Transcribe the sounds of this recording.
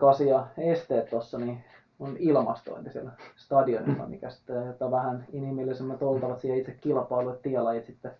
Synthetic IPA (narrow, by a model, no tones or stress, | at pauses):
kɑsiɑest̪eːt̪t̪osːɑni | onilmɑ̰st̪o̰int̪isielst̪ɑdionḭlːɑ̰mḭkæsi̥t̪ːejot̪ːɑʋæhæninimilːisemːæt̪olt̪ɑʋɑt̪siːhæit̪sekkilpɑiluet̪t̪iɑlɑjit̪sit̪ːe